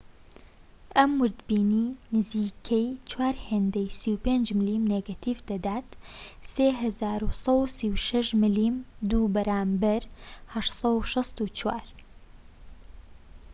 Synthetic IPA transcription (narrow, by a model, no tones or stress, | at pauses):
ʔɐmːwʊɾd̪biːniːnɨziːkʰɛjt͡ʃwaːɾheːnd̪ɐjsiːwpeːnd͡ʒmɨliːmneɡat̪ʰifd̪ɐd̪aːt̪seːɦɐzaːɾusˤɐwsiːwʃɐʃmɨliːmd̪uːbɐɾaːmbɐɾhɐʃt̪sˤɐwʃɨst̪ut͡ʃwa̰ːɾ